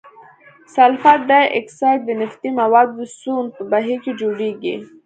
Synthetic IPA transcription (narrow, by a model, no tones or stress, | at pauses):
salfat̪̚d̪ɑjʔɪ̰ksɑjʈ̪̚d̪ənɪft̪imawɑd̪ːəsunpəbaɦiked͡ʒoɽeɡi